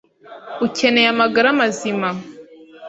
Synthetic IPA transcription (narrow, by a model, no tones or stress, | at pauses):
ucʰe̞ne̞jamaɡaɾamazima